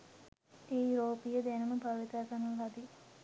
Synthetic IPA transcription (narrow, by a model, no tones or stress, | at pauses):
eɾoːpijəd̪ɛnəməbʱaʋit̪aːkanɐlad̪i